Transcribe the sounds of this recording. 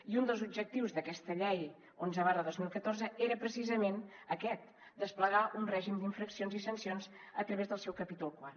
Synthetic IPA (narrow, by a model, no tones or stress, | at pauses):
iund̪əlˠzub̚d͡ʒək̚t̪iwzðəkɛst̪əʎɛj | onzəβaɾðəðozmilˠkət̪orzəeɾəpɾəsizəmenəkɛt̪̚ | d̪əspləɣaʔunrɛʒimd̪iɱfɾəksionzisənsionz | ət̪ɾəβezðəlˠsɛwkəpit̪ulˠkwa